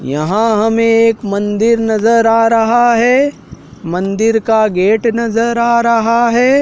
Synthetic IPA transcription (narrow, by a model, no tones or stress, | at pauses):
jɐ̰ɦãɦɐmẽeːkmɐ̃nd̪ɪɾnɐzəɾaːɾɐɦaɦɛː | mɐ̃nd̪ɪɾkaɡeːʈnɐzəɾaːɾɐɦaɦɛː